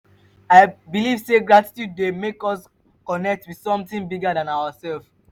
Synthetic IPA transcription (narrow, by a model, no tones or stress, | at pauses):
aɪbiliv̥seɡɹati̥tjud̚demekɔs | kɔnɛk̚twið̥sɔ̃mtĩŋbiɡadãnawasɛlf